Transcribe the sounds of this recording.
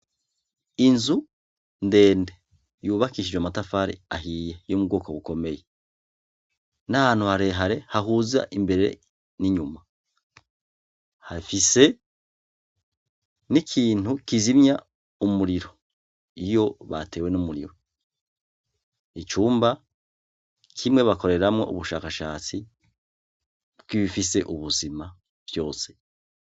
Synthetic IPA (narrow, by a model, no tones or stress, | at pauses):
inzu | nde̞ːnde | juːβakiʃid͡ʒwamatafaɾḭaɦijejomubɡo̞ːkoβuko̞me̞je | nahaːn̥huhaɾe̞ɦaɾe̞haɦuːza̰ʔimbe̞ɾeḛ | niɲuma | hafise | nikʰiːn̥hukizimɲa | umuɾiɾo | ijo̞βate̞ːwe̞numuɾiɾo | it͡ʃuːmba | kʰimŋe̞βako̞ɾe̞ɾamŋe̞̰ʔṵβuʃaːkaʃaːt͡si | βɡiβifise̞ʔuβuzima | b̥jo̞ːse̞̥